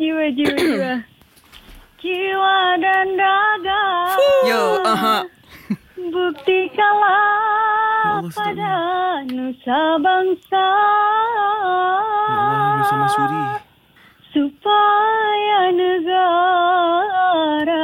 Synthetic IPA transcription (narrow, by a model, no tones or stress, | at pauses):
iwəd͡ʒiwd͡ʒiwa | kiwadandaɡa | ɦ | buk̚t̪ikala | padanusabaŋsa | supajanəɡa | ɾa